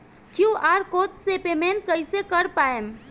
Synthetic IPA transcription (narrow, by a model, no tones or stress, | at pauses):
kjũaɾkot̪sepement̪̚kəjsekəɾpaem